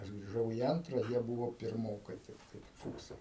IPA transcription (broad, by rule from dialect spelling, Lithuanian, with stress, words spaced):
ˈɐʃ ɡrʲɪˈʒɐʊ iː ˈɐntrɐ ˈjiɛ ˈbuːʋoː pʲɪrˈmoːkɐɪ tʲɪkˈtɐɪ ˈfuːksɐɪ